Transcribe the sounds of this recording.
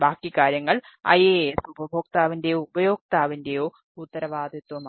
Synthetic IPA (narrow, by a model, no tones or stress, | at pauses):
baːkːikaːɾjɐŋːɐɭɐ̰jeːesubʱɐbʱoːk̚t̪aːʋindejubɐjo̞ːk̚t̪aːʋinde̞joː | ut̪ːɐɾɐʋaːd̪ʱɐt̪wɐma